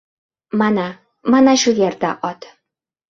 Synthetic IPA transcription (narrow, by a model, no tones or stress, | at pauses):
mana | manaʃʊjeɾd̪aʔɒt̪